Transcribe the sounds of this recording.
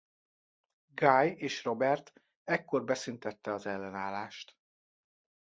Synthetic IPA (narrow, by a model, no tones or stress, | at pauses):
ɡaːjeːʃro̞bɛrt̪ | ɛkːo̞rbɛsynt̪ɛt̪ːɛɒzɛlːɛnaːlaːʃt̪